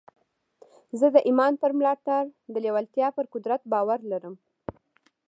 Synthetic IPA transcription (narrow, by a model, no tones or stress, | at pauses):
zəd̪əʔimɑnpəɾmlɑʈaɾd̪əlewalt̪jɑpəɾkʊd̪ɾat̪̚bɑwaɾlaɾəm